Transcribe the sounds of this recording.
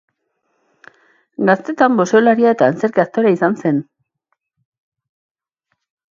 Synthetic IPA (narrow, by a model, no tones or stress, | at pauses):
ɡast̪e̞t̪ambo̞so̞laɾiaet̪aːnt͡se̞ɾkeast̪oɾaisanse̞n